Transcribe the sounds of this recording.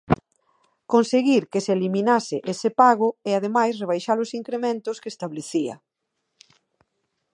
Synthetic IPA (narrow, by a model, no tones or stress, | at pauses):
konseɣiɾkeselimĩnasɪʔesepaɣ̞ʊɪað̞emajsreβ̞ajʃalʊsiŋkɾemẽnt̪ʊskeːst̪aβleθiɐ̰